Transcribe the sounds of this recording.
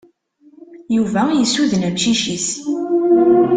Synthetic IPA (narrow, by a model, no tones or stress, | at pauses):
juvæjisuðənæmʃiʃis